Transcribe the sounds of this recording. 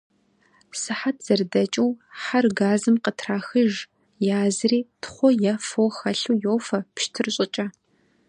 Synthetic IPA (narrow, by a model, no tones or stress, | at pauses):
sɨħat̚ʰz̥ɐrdɐt͡ʃʼɪwħarɡaːzɨmqətʰraːxɨʒ | jaːzɨriːtʰχʷɔjafowxɐɬuːjowfɐpʃtʰɨrɕʼɪt͡ʃʼɐ